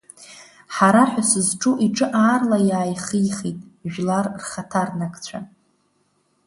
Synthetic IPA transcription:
ħaɾaħʷᶣasɨzʈ͡ʂʼuʔiʈ͡ʂʼɨʔaːrlajaːjχijχejtʼʒᶣlarrχatʰarnakʰʼt͡ɕʷʰa̰

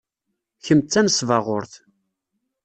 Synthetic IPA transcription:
çəmt͡sːænsvɑʁʊɾθ

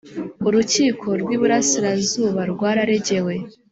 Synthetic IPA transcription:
uɾuciːkʰo̞ɾɡwiːβuɾasiɾazuːβaɾɡwaːɾaɾe̞ɟe̞we̞

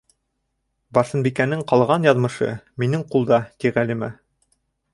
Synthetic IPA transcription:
bɑsɤ̆nbikænɘŋqɑlˠʁɑnjɑðmɤ̆ʃɤ̰minɘŋqulˠd̪ɑt̪iʁælimæ

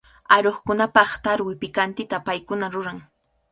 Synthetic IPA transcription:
aɾoχkʊnapɑχt̪aɾwɪpɪkant̪ɪt̪apajkʊnaɾʊɾaŋ

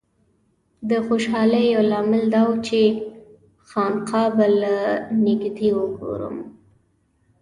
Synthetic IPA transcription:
d̪əxoʃɑləjolɑmɪld̪ɑwut͡ʃe | xɑnqʰɑbalanɪɡd̪iwəɡo̰ɾə̰m

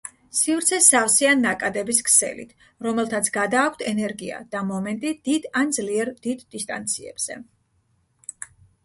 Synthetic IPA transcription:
sivɾt̪sʰɛsafsianːakʼad̪ɛbiskʰsɛ̰lḭt̪ʰ | ɾɔmɛlˠt̪ʰat̪sʰɡad̪aːkʷʰt̪ʰɛnɛɾɡia̰d̪̥amɔmɛnt̪ʼid̪̥id̪̥and̪zliɛɾd̪̥id̪ːist̪ʼa̰nt̪sʰiɛ̰b̥z̥ɛ̰

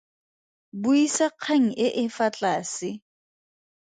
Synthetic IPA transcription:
buisaq͡χʰaŋ̩ɪʔɪfat͡ɬʼaːsɪ

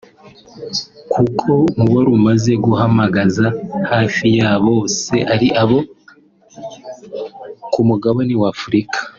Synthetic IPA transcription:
kʰukʰo̞muβoɾumaze̞ɡuhamaɡazahaːfijaːβo̞ːse̞ʔaɾiʔaβo̞ | kumuɡaβoniwaːfuɾikḁ

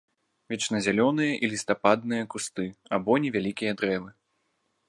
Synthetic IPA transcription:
vʲɛt͡ʂnɐzʲalʲɔnɨjɐʔilʲist̪apad̪̚nɨjɐkust̪ɨabɔnʲɛvʲalʲikʲijɐd̪ɾɛvɨ

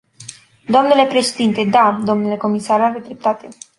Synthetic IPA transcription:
d̪oamnule̞pɾe̞ʃed̪int̪e̞d̪ad̪o̞mnule̞ko̞misaɾaɾed̪ɾep̚t̪at̪e̞

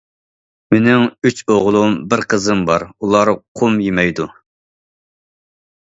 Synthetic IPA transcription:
menɪŋyt͡ʃʰoʁlˠumbɪɾqʰəzɨmbɑɾulˠɑɾqʰumjemɛjd̪u

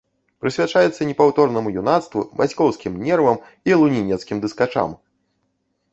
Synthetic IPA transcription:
pɾɨsʲvʲat͡ʂajɛt̪sːɐnʲɛpawt̪ɔrnɐmujunat̪st̪vubasʲkɔwskʲimnʲɛrvɐm | ilˠunʲinʲɛt̪skʲimd̪ɨskat͡ʂa̰m

